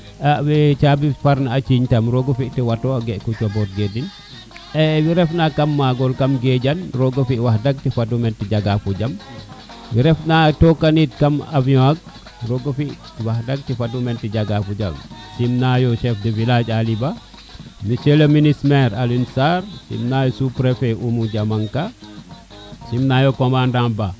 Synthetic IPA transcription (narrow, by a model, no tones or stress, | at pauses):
abet͡ʃabifaɾnaat͡ʃiɲtamɾoɡofiʔtiwatoɡeʔkut͡ʃabɔt̚ɡedin | ɛwiɾɛfnakamːaɡɔlkamɡeɟanɾoɡofiʔwahdaɡ̚tifadumentiɟaɡafuɟam | wiɾɛfnatokanit̚kamaviaɡ̚ | ɾoɡɐfi | wahdaɡ̚tifadumentiɟaɡafuɟa̰msimnajoʃɛfdevilad͡ʒaliba | miseleminismeɾalinsaɾsḭmnajosupɾefeʔumuɟamaŋka | simnajokomandamba